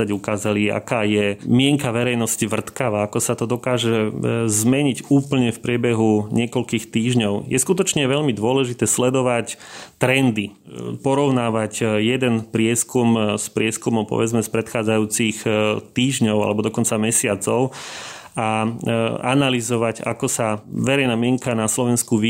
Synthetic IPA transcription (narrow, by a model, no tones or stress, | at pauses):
aɟukaːzalia̰kaːjɛmɪɛŋkaʋɛɾɛjnɔsciʋr̩t̪kaʋaːakɔsat̪ɔd̪ɔkaːʒɛzmɛɲiɟuːpl̩ɲɛfpɾɪɛbɛɦuɲɪɛkɔlkiːxt̪iːʒɲɔʊjɛskut̪ɔt͡ʃɲɛʋɛʎmid̪ʊɔlɛʒit̪ɛːslɛd̪ɔʋact̪ɾɛnd̪ipɔɾɔʊnaːʋacjɛd̪ɛnpɾɪɛskumspɾɪɛskumɔʊpɔ̰ʋɛd͡zmɛspɾɛt̪xaːd͡zajuːt͡sixt̪iːʒɲɔʊa̰lɛbɔd̪ɔkɔnt͡samɛsɪat͡sɔʊ | a | analizɔʋaɟa̰kɔsaʋɛɾɛɪnaːmɪɛŋkanaslɔʋɛnskuʋi